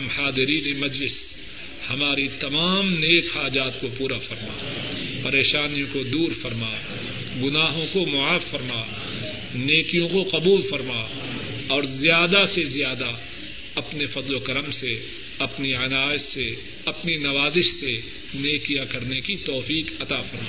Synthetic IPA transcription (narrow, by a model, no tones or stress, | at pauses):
mhaːd̪ɪɾiːnemɐd͡ʒlɪs | hɐmaːɾit̪ɐmaːmneːkhaːd͡ʒaːt̪kopuːɾafɐɾma̰ː | pɐɾeːʃaːnijõkod̪uːɾfɐɾmaː | ɡʊnaːɦõkomʊaːfːɐɾmaː | neːkijõkoqɐbuːlfɐɾmaː | ɔːɾzɪjaːd̪asezjaːd̪a | ɐpnefɐd̪lokɐɾəmse | ɐpniɐnaːsse | ɐpninɐʋaːzɪʃse | neːkijakɐɾnekit̪ɔːfiːqɐt̪afɐɾmaː